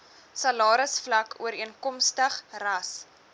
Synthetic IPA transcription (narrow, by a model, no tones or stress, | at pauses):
sɐlɑːɾəsflɐkṵəɾiənkɔmstəχrɐs